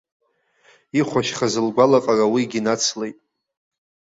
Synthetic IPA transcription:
iχʷaʃχazɨlɡʷalaqʼarawiɡʲinat͡sʰlejtʼ

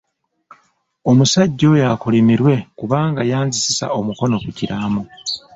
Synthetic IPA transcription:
o̞musaɟːo̞jakulimiɾwe̞kuβaːŋɡajaːnzisisa̰o̞muko̞no̞kuciɾaːmu

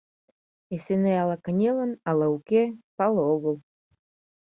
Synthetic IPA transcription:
esenealˠakanʲelə̆nalˠaukʲepɑlˠoɣə̆lˠ

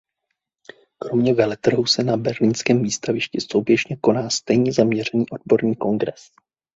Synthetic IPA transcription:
kɾo̞mɲɛvɛlɛt̪r̩ɦusɛnabɛɾliːnskɛːmviːst̪avɪʃcɪso̞wbjɛʃɲɛko̞naːst̪ɛjɲɛzamɲɛr̝ɛniːʔo̞dbo̞ɾɲiːko̞ŋɡɾɛs

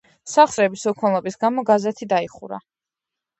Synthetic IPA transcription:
saχsɾɛbisukʰɔnlˠɔbisɡamɔɡazɛt̪ʰid̪aiχṵɾa̰

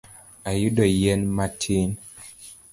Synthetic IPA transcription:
ajudɔjɛnmatʰin

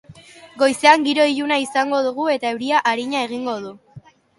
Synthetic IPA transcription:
ɡo̞jse̞aŋɡiɾo̞iʎunaisaŋɡo̞ð̞uɣ̞ue̞t̪aewɾiaʔaɾiɲae̞ɣ̞iŋɡo̞ð̞u

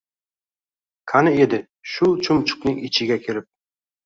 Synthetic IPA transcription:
kʰanɪed̪ɪ | ʃʊt͡ʃʰʊmt͡ʃʰʊ̥qnɪŋɪt͡ʃʰɪɡʲakʲʰelɪp̚

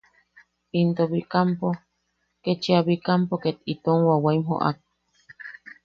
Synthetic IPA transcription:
int̪oβikampo | ket͡ʃiaβikampoket̪it̪oŋwawaimɦo̰ʔa̰k̚

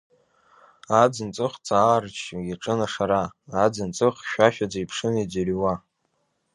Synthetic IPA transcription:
ad͡zɨnt͡sʼɨχt͡sʼaːrt͡ʃʰjʲaʈ͡ʂʼɨnaʂaɾaːd͡zɨnt͡sʼɨχʃʷᶣaʃᶣad͡zaijpʰʂɨnid͡zarwa

